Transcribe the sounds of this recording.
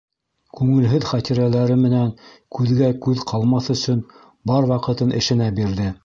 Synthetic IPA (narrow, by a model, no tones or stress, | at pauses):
kʉŋɘ̆lɦɘðχæt̪iɾælæɾɘmɘ̆næŋkʉðɡækʉðqʰɑlˠmɑθɵ̆sɵn | bɑɾwɑqɤ̆t̪ɤnʔɘ̆ʃɘ̆næbiɾðɘ